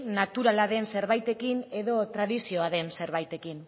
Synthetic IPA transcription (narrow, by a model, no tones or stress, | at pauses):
nat̪uɾalaðe̞nse̞ɾβajt̪e̞kine̞ðo̞t̪ɾaðisio̞aðe̞nse̞ɾβajt̪e̞kin